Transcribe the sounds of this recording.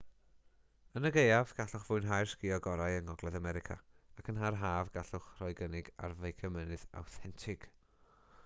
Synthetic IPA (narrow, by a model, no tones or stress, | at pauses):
ənəɡejavɡ̥aɬʊχv̥ʊɨnɦajrskɪɔɡɔɾajəŋɔɡlˠɛðamɛɾɪkʰa̰akʰənɦarɦaːvɡaɬʊχrɔjɡənɪɡa̰rvejkʰəmənɨða̰wθɛntʰɪkʰ